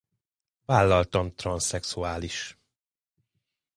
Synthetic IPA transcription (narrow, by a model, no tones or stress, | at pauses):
vaːlːɒlt̪ɒmt̪rɒnsɛksuaːliʃ